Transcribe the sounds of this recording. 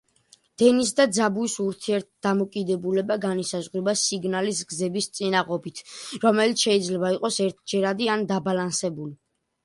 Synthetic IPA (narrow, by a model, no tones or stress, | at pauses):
d̪̥ɛnis̬d̪ad̪zabuisuɾt̪ʰiɛɾt̪̚ʰd̪̥amɔkʼid̪ɛbulɛbaɡanisazʁɾibasiɡnalis̬ɡzɛbist̪sʼinaʁɔbit̪ʰɾɔmɛlit̪sʰʃɛid̪zlɛbaiqʼɔsɛɾt̪̚ʰd͡ʒɛɾad̪iand̪abalansɛbuli